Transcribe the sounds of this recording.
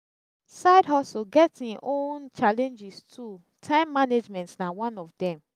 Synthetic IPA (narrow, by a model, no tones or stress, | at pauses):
saɪdɦɔsoɡɛtĩnʔõnt͡ʃalɛ̃nd͡ʒistʰu | tʰãɪ̃mːaned͡ʒmɛ̃ntsnawɔ̃nɔfdɛ̃m